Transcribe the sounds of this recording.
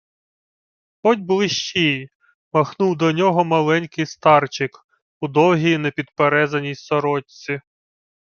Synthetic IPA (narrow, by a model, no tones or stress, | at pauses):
ɔdʲbʊlˠɪʃt͡ʃij | mɐxnuwd̪ɔnʲɔɦɔmɐlˠɛnʲkɪjst̪ɑrt͡ʃɪk | ʊd̪ɔwɦʲijinepʲid̪peɾɛzɐnʲijsɔɾɔt͡sʲi